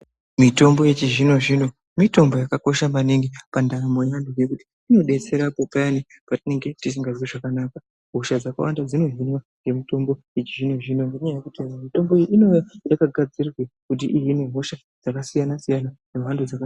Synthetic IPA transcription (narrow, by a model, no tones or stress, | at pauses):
mito̞mbo̞je̞t͡ʃiʒino̞ʐino̞ | mito̞mbo̞jakako̞ʃamaneŋɡepandamo̞jandujekuti̥ːno̞ɗe̞t͡se̞ɾapopanipatine̞ŋɡe̞tis̬iŋɡaʐwiʐakanaːka | ɦo̞ʃad͡zaka̰wa̰ndad͡zino̞ɦinwa | je̞mito̞mbo̞jet͡ʃiʒino̞ʐino̞ŋɡeɲajajekuteamito̞mbo̞eino̞jajakaɡʱad͡zirrwekut̬iʔijine̞ɦo̞ʃa | d͡zakasijanasijananemandud͡zaka